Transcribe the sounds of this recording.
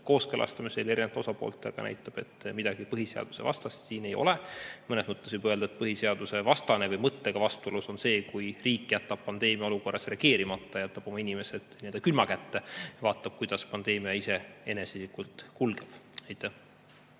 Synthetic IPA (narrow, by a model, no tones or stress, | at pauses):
ko̞ːskelʔɑ̰st̪ɑmise̞leɾinet̪o̞sɑpo̰lt̪ːˑḛɡ̥ɑnæ̰jt̪ːˑɑb̥e̞t̪ːmid̪̥ɑɡ̥ipɤɦise̞ɑ̰d̪̥u̥se̞̰vɑ̰st̪ɑst̪siːne̞jo̞̰lemɤnesmɤt̪ˑːesvibøld̪̥ɑet̪̚pɤɦise̞ɑd̪̥use̞vɑst̪ɑnevɤjmɤt̪ːe̞ɡ̥ɑvɑst̪uoluso̞nse̞ːkujriːkːˑjæt̪ːɑb̥̚pɑnd̪̥e̞ːmiɑo̞luko̞rːɑsre̞ɑɡ̥e̞ːɾimɑt̪ˑːɑjæt̪ːˑɑb̥o̞mɑinime̞set̪nield̪ɑkylmɑkæt̪ːevɑːt̪ːˑɑb̥̚kujd̪ɑspɑnd̪e̞ːmiɑise̞enesisikult̪kulɡ̥eb̥ɑjt̪ːˑæh